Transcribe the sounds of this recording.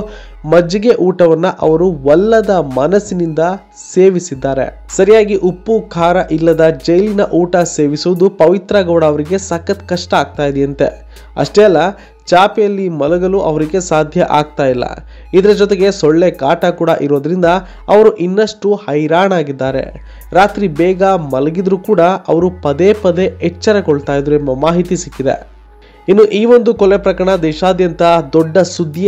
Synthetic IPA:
mɐd͡ʒiɡe̞ʔuːʈɐʋɐnːɐʔɐ̰ʋɐɾuʋɐlːɐd̪ɐmɐnɐsinind̪ɐ | se̞ːʋisid̪ːaːɾe̞̰ | sɐɾijaːɡiʔupːukʰaːɾɐʔilːɐd̪ɐd͡ʒɐjlinɐʔuːʈɐse̞ːʋisuʋɐd̪upɐʋit̪ɾɐɡɐʋɽɐːʋɐɾiɡe̞saːkɐt̪kɐʂʈɐaːɡ̚t̪aːjid̪ɛɐnt̪e̞̰ | ɐ̰ʂʈɛːɛlːɐ | t͡ʃaːpejɐlːimɐluɡɐluʔɐ̰ʋɐɾiɡe̞saːd̪ʱjɐʔaːɡ̚t̪aːjilːɐ̰ | id̪ɐɾɐd͡ʒɔt̪̬eɡe̞sɔɭːekaːʈɐkuːɽɐʔiɾoːd̪ɐɾind̪ɐ | ɐʋɐɾuʔinːɐʂʈuhɐjɾaːɳaːɡid̪ːaːɾe̞̰ | ɾaːt̪ɾibɛːɡɐmɐlɐɡid̪ɾukuːɽɐɐ̰ʋɐɾupɐd̪eːpɐd̪e̞ɛt͡ʃːɐɾɐkoɭt̪aːjid̪ɾuɛmbɐmaːɦit̪isikːid̪e̞̰ | inːuʔiːʋond̪ukɔlepɾɐkɐɾɐɳɐd̪ɛːʃaːd̪jɐnt̪ɐd̪ɔɖːɐsud̪ʱːij

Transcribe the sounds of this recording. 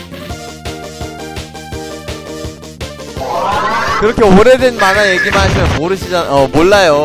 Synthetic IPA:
kɯɾʌkʰe̞oɾe̞dwe̞nmanajeɡimaɕʰimjʌnmoɾɯɕʰid͡ʑaʌmoɭːajo

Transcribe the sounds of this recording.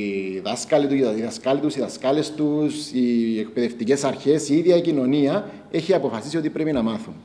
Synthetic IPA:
ðɐskɐlit̪uiðɐskɐlit̪usiðɐskɐle̞st̪usiekpeðe̞ft̪icesɐɾçe̞siiðjɐicino̞niɐ | e̞çiɐpo̞fɐsisio̞t̪ipɾepinɐmɐθun

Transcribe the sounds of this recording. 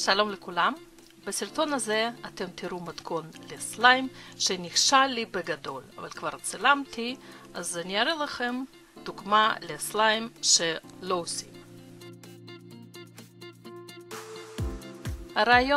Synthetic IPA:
ʃalo̞mlekulam | besiɾt̪o̞nazeat̪e̞mt̪iɾumat̪kʰo̞nleslajimʃeniχʃalːibeɡad̪o̞la̰va̰lkvaɾt͡silamt̪ʰi | azaniaɾelaχem | d̪̥uɡmaleslajimʃelo̞osim | haɾaːjo

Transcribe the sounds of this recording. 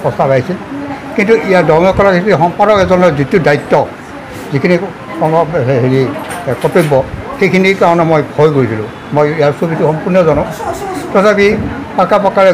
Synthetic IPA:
pɔsapajsilkintuʔijadɔɹmɔkɔlakitixɔmpadɔkɛzɔnɔzitiʊdaitːɔ | zikʰini | kɔŋɡɔɛɦeɹikɔtobɔxejkʰinikaɹɔnɛmojbʰɔjkoɹisilʊ̰̃ | mojijaɹsubituxɔmpunɔzɔnɔtɔtʰapipakapɔkaɹɛ

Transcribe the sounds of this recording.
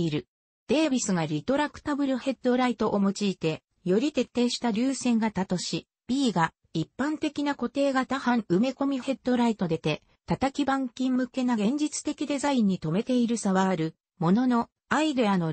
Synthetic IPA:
iɾɯ̟ | d̪̥e̞ːbʲisɨɡaɾʲit̪o̞ɾakːɯ̟̥t̪abɯ̟ɾɯ̟he̞d̪o̞ɾait̪o̞ʔomot͡ɕiːt̪e̞ | jo̞ɾʲit̪e̞t̪ːe̞ːɕi̥t̪aɾʲɨːsẽ̞ŋɡat̪at̪o̞ɕi | b̥ʲiːɡa | ipːãnt̪e̞kʲinako̞t̪e̞ːɡat̪ahãɰ̃ɯ̟me̞ko̞mʲihe̞d̪̥o̞ɾait̪o̞d̪e̞t̪e̞ | t̪at̪akʲibãŋkʲĩmmɯ̟ke̞naɡẽ̞ɲ̟d͡ʑit͡sɨ̥t̪e̞kʲid̪e̞zaĩɲ̟ːit̪o̞me̞t̪e̞iɾɯ̟saβaːɾɯ̟ | mo̞no̞no̞ | aid̪eano̞

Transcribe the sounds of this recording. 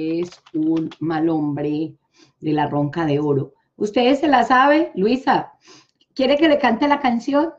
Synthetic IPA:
esunmalo̞mbɾe | d̪e̞laro̞ŋkaðeoɾo | ust̪eðselasaβelwisa | kje̞ɾe̞ke̞lekant̪elakansjo̞n

